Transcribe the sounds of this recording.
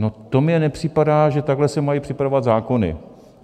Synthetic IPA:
no̞t̪o̞mɲɛnɛpr̝̥ɪpadaːʒɛt̪aɡɦlɛsɛmajipr̝̥ɪpɾaovat̪zaːko̞nɪ̰

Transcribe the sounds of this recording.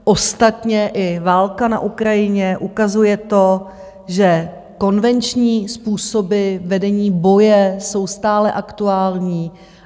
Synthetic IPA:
ʔo̞st̪at̪ɲɛʔɪvaːlkana̰ʔukɾajɪɲɛʔukazujɛt̪o̞ | ʒɛ | ko̞nvɛnt͡ʃɲiːspuːsobɪvɛdɛɲiːbo̞jɛso̞wst̪aːlɛʔakt̪uaːlɲiː

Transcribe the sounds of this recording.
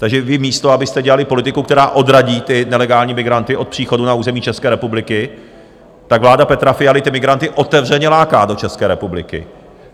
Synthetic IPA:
t̪aɡʒɛvɪmiːst̪o̞abɪst̪ɛɟɛlalɪpo̞lɪt̪ɪkukt̪ɛɾaːʔo̞dɾaɟiːt̪ɪnɛlɛɡaːlɲiːmɪɡɾant̪ɪʔo̞t̪̚pr̥iːxo̞dunauːzɛmiːt͡ʃɛskɛːɾɛpublɪkɪ | t̪aɡvlaːdapɛt̪ɾafɪjalɪt̪ɪmɪɡɾant̪ɪʔo̞t̪ɛvr̝ɛɲɛlaːkaːdo̞t͡ʃɛskɛːɾɛpublɪ̰kɪ̰

